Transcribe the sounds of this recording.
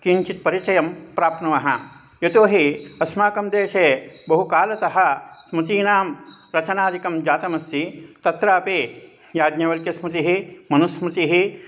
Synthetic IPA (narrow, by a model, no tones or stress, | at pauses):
kiɲt͡ʃit̪̚pɐɾit͡ʃɐjɐmpɾaːp̪̚nɐʋɐɦɐ | jet̪oːɦiɐsmaːkɐmd̪eːʃeːbɐɦukaːlɐsɐɦɐ̆smut̪iːnaːmɾɐt͡ʃɐnaːd̪ʱikɐmd͡ʒaːt̪ɐmɐst̪it̪ɐt̪ɾaːpe | jaːd̪ɲɐʋɐlkjɐsmut̪iɦimɐnusmut̪iɦi